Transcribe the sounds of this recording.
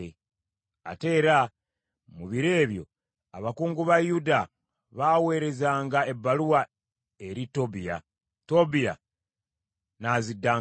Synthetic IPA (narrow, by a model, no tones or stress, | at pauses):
e | a̰te̞ːɾa | muβiɾe̞ːβjo̞ | aβakuːŋɡuβajuda | βaːwe̞ːɾe̞zaːŋɡae̞bːaluwa | e̞ɾito̞bija̰ | to̞bija̰ | nazidːaː